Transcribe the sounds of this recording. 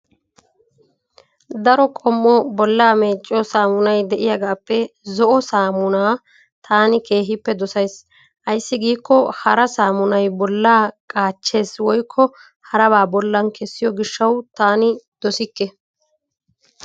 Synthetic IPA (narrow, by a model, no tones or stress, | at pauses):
d̪ɐɾɔkʼɔmːɔbɔlːaːme̞ːt͡ʃʼːɔsaːmʊnɐjd̪ɛʔɪjɐɡaːpːɛzɔʔɔsaːmʊnaː | t̪ʰaːnɪke̞ːɦɪpːɛd̪ɔsɐjs | ʔɐjsːɪɡiːkːɔhɐɾɐsaːmʊnɐjbɔlːaːkʼaːt͡ʃːe̞ːswɔjkʰːɔ | hɐɾɐbaːbɔlːɐnkʰɛsːɪjɔɡɪʃːɐwt̪aːnɪd̪̥ɔsɪkːɛ